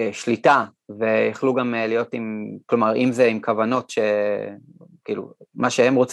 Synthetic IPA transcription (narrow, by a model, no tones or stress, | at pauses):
ʃlita | ve̞jaχluɡamlijo̞timklo̞maʁḭmzeimkavano̞tʃe̞ | kiːlṵmaʃehemʁo̞t͡s